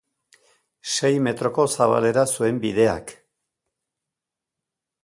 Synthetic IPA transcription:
ʃe̞jme̞t̪ɾo̞ko̞saβ̞a̰le̞ɾasue̞mbiðe̞a̰k

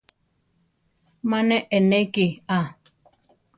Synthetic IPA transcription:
manɛʔɛnɛkea

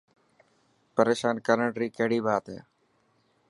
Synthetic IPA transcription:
pəɾeːʃaːnkəɾəɳʈɾiːkeɦɽiːbaːt̪ɦḛː

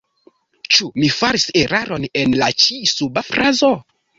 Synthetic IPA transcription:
t͡ʃumifaɾise̞ɾaɾonenlat͡ʃisubafɾazo

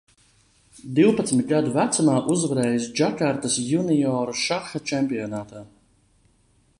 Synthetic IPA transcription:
d̪iwpɐat̪smʲit̪̚ʲɡad̪uvæt̪sumaːʔuzvaɾɛːjisd͡ʒakaɾt̪asjunijɔːɾuʃaxat͡ʃɛmpijɔnaːt̪aː

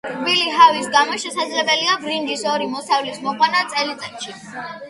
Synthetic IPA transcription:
kbiliɦavisɡamɔʃɛsad̪zlɛbɛliabɾind̪isɔɾimɔsavlismɔqʼwanat̪sʼɛlit̪ʼɛt̪ʃi

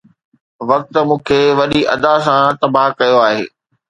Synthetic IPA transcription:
ʋɐk̚t̪mũːkʰeʋɐɗiʔɐd̪as̬ãt̪ɐbaːɦkɐjoaːɦḛː

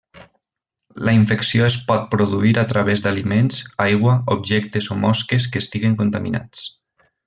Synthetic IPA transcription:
ləiɱfəksioespɔt̪̚pɾoðuiɾat̪ɾaβezd̪alimenzajɣwəobʒɛk̚t̪ezomɔskes̬kəːst̪iɣeŋkunt̪amḭna̰t͡s

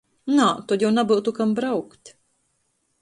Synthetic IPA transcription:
nat̪ɔjawnabɨwt̪ukambɾawkt̪ʲ

